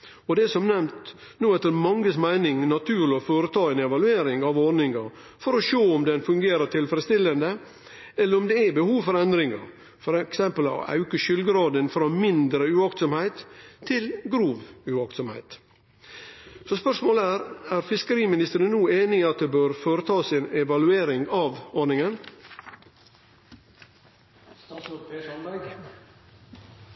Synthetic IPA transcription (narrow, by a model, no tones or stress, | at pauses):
ɔd̪ɛsɔmnɛmt̪ | nuːɛt̪ːəɾmɑŋːəsmæɪnɪŋnɑt̪ʰʉːɾɭɔfoːɾət̪ʰɑːɛnɛʋɑlʉeːɾɪŋɑʋɔɾnɪŋɑɾ | fɔɾɔʂoːɔmd̪ɛnfʉŋɡeːɾəʈ̪ʰɪlfəɾəst̪ɪlːənd̪ə | ɛlːəɾɔmd̪ɛæbəhuːʋfɔɾɛnd̪ɾɪŋɑ̰ɾ | fɔɾɛksɛmpəlɑ̰ɑ̰ʉkəʃʏlɡɾɑːd̪ənfɾɑːmɪnd̪ɾəʉɑkt̪sɔmhæɪt̪ʰːɪlɡɾuːʋʉɑkt̪sɔmhæ̰ɪt̪ | sɔspœʂmoːləæːɾæːɾfɪskəɾiːmɪnɪst̪əɾənnuːeːnɪɑt̪̚d̪ebøːɾfoːɾət̪ʰɑːsɪnɛʋɑlʉeːɾɪŋɑʋɔɳɪŋən